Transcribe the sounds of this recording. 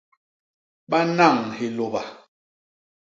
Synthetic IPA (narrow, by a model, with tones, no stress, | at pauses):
ɓa˦na˦˨ŋhe˨lo˨ba˨